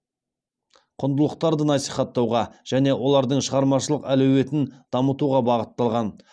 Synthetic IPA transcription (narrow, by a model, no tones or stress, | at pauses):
qʰʊnd̪əlˠəq̚t̪ɑɾd̪ənɑsijχɑt̪ːɑwʁɑʒ̥æne̞wʔo̞lˠɑɾd̪əɴʃəʁɑɾmɑʃəlˠəqælɵwe̞t̪ɪnd̪̥ɑmət̪uʁɑbɑʁət̪ːɑlˠʁɑn